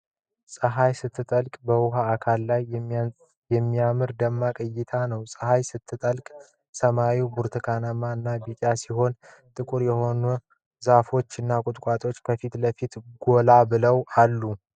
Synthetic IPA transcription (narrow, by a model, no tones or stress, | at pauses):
sʼəɦajsɨt̪ʰːɨt̪ʼəlkʼbəwʊɦaːkʰalːaj | jɛmːiamɨɾd̪əmːakʼəjːɪt̪ʰanəwsʼəhajsɨt̪ʰːɨt̪ʼəlkʼ | səmawibuɾt̪ʰɨkʰanəmaɨnːabikʼasiɦo̞n | t̪ʼɨkʼuɾjɛho̞nu | zafo̞t͡ʃːɨnːakʼʊt̪ʼkʷʼat̪ʼo̞t͡ʃːkʰəfit̪ləfit̪ɡo̞labɨləwalːu